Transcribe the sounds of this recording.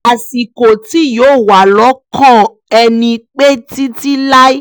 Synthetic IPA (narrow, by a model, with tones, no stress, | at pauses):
a˨si˨ko˨ti˦joː˨˦˨wa˨lɔ˨˦kʰɔ̃˦˨ | ɛ˧nĩ˧k͡pe˦ti˦ti˦la˦i˦